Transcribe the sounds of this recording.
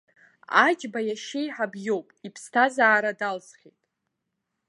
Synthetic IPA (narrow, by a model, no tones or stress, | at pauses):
a̰d͡ʒbajaʃejħabjo̞wpʼipʰstʰazaːɾadalzχʲḛjtʼ